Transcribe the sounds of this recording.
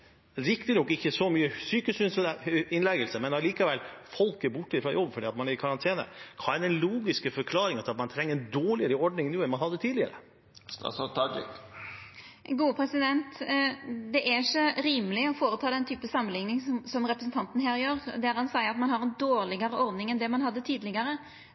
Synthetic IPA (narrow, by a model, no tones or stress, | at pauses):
ɾɪkt̪ɪnɔkːɪçːəsɔmyːəsyːkəsʏnsɪnlɛɡəlsəmɛnɑliːkɑʋɛlfɔlkəbʊʈːɪfɾɑjɔbːfɔɖiːɑt̪mɑnæɾɪkʰɑɾɑnt̪ʰeːnə̰kʰɑːɛd̪ɛnluːɡɪskəfɔɾkʰlɑːɾɪŋɑt̪ɑt̪mɑnt̪ʰɾɛŋːəd̪oːɭɪəɾəɔɖnɪŋnuːɛnmɑnhɑd̪ːət̪ʰiːd̪lɪə̰ɾə̰ | st̪ɑ̰sɑt̪ʰɑd͡ʒɪ̰k | ɡuːəpʰɾɛsɪd̪ɛnt̪ | d̪ɛʔæçɔɾiːmlɪɔfoːɾət̪ʰɑːd̪ɛnt̪ʰyːpəsɑmːənlɪŋnɪŋsɔmɾɛpɾəsn̩t̪ɑnt̪n̩ɦæːɾjøːɾd̪ɛæɾhɑnsæɪəɾɑt̪mɑnhɑɾɛnd̪oːɾlɪɡəɾəɔɾd̪nɪŋɛnd̪ɛmɑnɦɑd̪ːət̪ʰiːd̪lɪɡəɾə